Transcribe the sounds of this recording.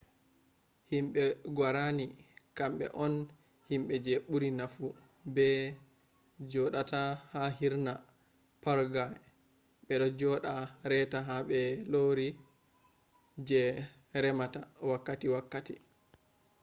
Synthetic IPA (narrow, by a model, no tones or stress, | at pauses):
himɓɛɡwaɾanikamɓɛ̰ʔɔn | himɓɛd͡ʒɛɓuɾinafu | bɛ | d͡ʒɔɗatahaɦiɾna | paɾɡaj | ɓɛɗɔd͡ʒɔɗaɾɛtaɦaɓɛloɾi | d͡ʒɛ | ɾɛmatawakːatiwakːati